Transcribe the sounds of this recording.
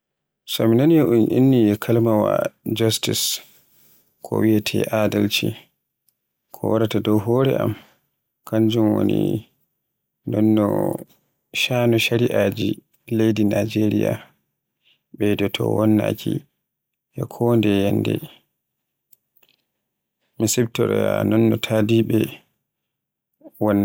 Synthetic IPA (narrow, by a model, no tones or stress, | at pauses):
saminanjɛʔunʔinːijɛkʰalmawad͡ʒastis | kʰɔ̰wiatʰɛʔadalt͡ʃi | kʰɔwaɾatadɔwɦɔːɾɛ̰ʔam | kʰaɲd͡ʒumwo̰ni | ndɔnːɔ̰ | ʃaːnɔʃaɾiʔad͡ʒi | lejdinad͡ʒeɾija | ɓɛdɔtʰɔ̰wɔnːa̰kʰi | jɛkʰɔndɛjɛndɛ̰ | misɛbtɔɾɔjanɔnːɔtʰaːdiɓɛ | wɔnː